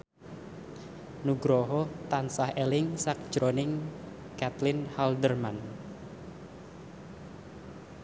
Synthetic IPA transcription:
nuɡɾɔɦɔt̪ansahelɪŋsak̚d̥ʒ̥ɾonɪŋ | kat̪lɪnhald̪ərman

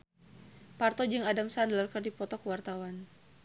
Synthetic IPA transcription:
part̪ɔd͡ʒɨŋadamsandlarkərdipɔt̪ɔkəwart̪awan

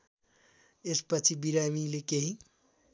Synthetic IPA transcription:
espət͡ʃʰibiɾamilekeɦĩ

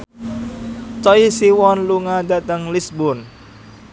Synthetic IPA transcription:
t͡ʃɔisiwɔnluŋada̤t̪əŋlisbʊn

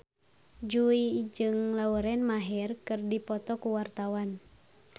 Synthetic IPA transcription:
d͡ʒuid͡ʒɨŋlauɾɛnmaɦɛrkɨrdipɔt̪ɔkuwart̪awan

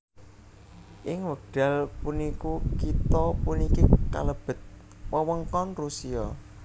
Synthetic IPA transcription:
ʔɪŋwəɡ̚ɖ̥a̤lpunikukit̪ɔpunikika̰ləb̥ə̤t̪̚ | pəwəŋkɔnrusiɔ

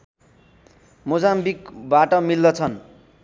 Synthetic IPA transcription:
mod͡zambikbaʈʌmild̪ʌt͡sʰʌn

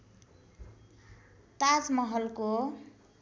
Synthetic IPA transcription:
t̪ad͡zmʌɦʌlko

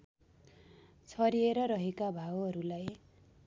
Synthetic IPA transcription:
t͡sʰʌɾieɾʌɾʌɦekabʱawʌɾulaj

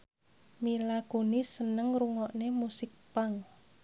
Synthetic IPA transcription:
milakunisənəŋruŋɔʔnemusɪk̚paŋ

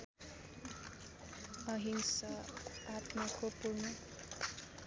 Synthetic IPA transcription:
ʌɦinsʌat̪mʌkopuɾnʌ

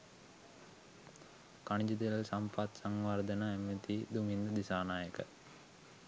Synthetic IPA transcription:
kaɳid͡ʒid̪iləlsampat̪saŋʋaɾd̪ənaemet̪id̪umind̪əd̪isaːnaːjəkə̰

